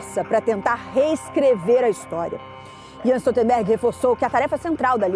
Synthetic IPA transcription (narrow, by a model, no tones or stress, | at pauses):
sɐpɾɐt̪ẽnt̪aɾheskɾeveɾɐist̪ɔɾiɐ̰ | iɐ̃st̪ot̪ẽmbɛɾɡɪhefoɾsowkɪɐt̪aɾɛfɐsẽnt̪ɾawd̪ɐli